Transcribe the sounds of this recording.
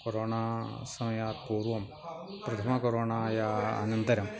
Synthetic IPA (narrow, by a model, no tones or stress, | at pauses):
koɾoːɳasɐmɐjaːt̪̚puːrʋɐm | prɐt̪ʰɐmɐkoɾoːɳaːjɐ̰ːnɐnd̪ɐɾɐm